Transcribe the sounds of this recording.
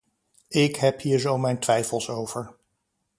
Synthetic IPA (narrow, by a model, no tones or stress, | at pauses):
ɪkɦɛphiːɹzowmɛjntʋɛjfəlˠsowvəɹ